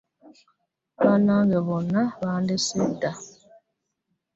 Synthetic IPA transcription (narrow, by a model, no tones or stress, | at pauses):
banaɣɛβɔnaβandɪsuda